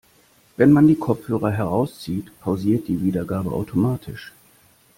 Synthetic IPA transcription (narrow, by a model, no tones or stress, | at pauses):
vɛnmandiːkʰɔp͡fhøːʁ̞ɐɦɛʁaʊst͡siːtpʰaʊziːɐt̚d̥iːviːdɐɡaːbəʔa̰ʊtʰomaːtʰɪʃ